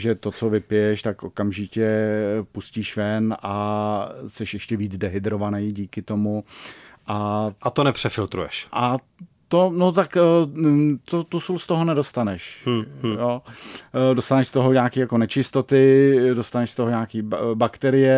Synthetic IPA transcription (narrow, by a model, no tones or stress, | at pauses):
ʒɛt̪o̞t͡so̞vɪpɪjɛʃt̪akʔo̞kamʒɪcɛpusciːʃvɛnʔa | sɛʃjɛʃcɛviːd͡zdɛɦɪd̪ɾo̞vanɛjɟiːkɪt̪o̞muʔaʔat̪onɛpr̥ɛfɪlt̪ɾṵjɛʃʔa | t̪onot̪ak | t̪ot̪usulst̪oɦonɛdo̞st̪anɛʃjoː | dost̪anɛʃst̪o̞ɦoɲaːkiːjako̞nɛt͡ʃɪst̪o̞t̪ɪdost̪anɛʃst̪oɦoɲaːkiːbakt̪ɛɾɪjɛ